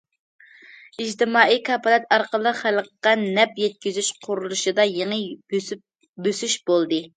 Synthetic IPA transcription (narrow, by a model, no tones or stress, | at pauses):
id͡ʒt̪ɪmɑːikʰɑpɑlˠɛt̪ɑɾqəlˠəqχæləqqːɑnɛpjɛt̪̚kʲizyʃqʰʊɾulˠuʃɨd̪ɑjeŋə | bøsyʃbolˠd̪ɨ